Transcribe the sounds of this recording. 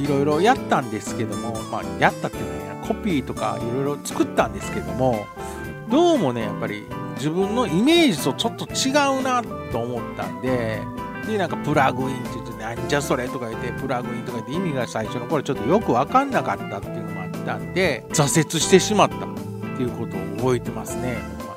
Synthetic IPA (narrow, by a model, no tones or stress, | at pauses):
iɾo̞iɾo̞jat̪ːãnd̪e̞sɨ̥ke̞d̪o̞mo̞ma̰ːjat̪ːat̪ːeɯ̟nakʰo̞pʲiːt̪o̞ka̰iɾo̞iɾo̞t͡sɨ̥kɯ̟t̪ːãnd̪e̞sɨ̥ke̞d̪o̞mo̞ | d̪o̞ːmo̞ne̞ja̰pːaɾʲḭ | d͡ʑibɯ̟̃nːo̞ime̞ːd͡ʑit̪o̞t͡ɕo̞t̪ːo̞t͡ɕiɡaɯ̟nat̪ːo̞ːmo̞t̪ːã̰nd̪e̞ | d̪e̞nãŋkapɯ̟ɾaɡɯ̟ĩnt̪ejiɯ̟t̪onaɲd͡ʑaso̞ɾe̞t̪o̞kaiɯt̪e̞pɯ̟ɾaɡɯ̟ĩnt̪o̞kait̪ːeimʲiɡasaiɕo̞no̞ko̞ɾot͡ɕo̞t̪ːo̞jo̞kɯ̟βakãnːakat̪ːat̪ːejiɯ̟nomoat̪ːãnd̪e̞zase̞t͡sɨɕi̥t̪e̞ɕimat̪ːa | t̪ːe̞iɯ̟ko̞t̪o̞̰ːbo̞e̞t̪e̞masɨne̞